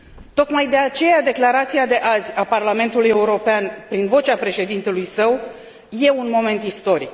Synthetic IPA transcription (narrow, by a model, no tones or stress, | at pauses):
t̪o̞kmajd̪e̞at͡ʃe̞jad̪e̞klaɾat̪siad̪e̞ʔazʲaparlame̞nt̪uluje̞uɾo̞peanpɾinvo̞t͡ʃapɾe̞ʃe̞d̪int̪e̞lujsəw | je̞unmo̞me̞nt̪ist̪o̞ɾik